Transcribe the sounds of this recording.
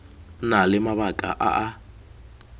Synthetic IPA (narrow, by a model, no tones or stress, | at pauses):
nalɪmaβakʼa̰ʔa̰ʔa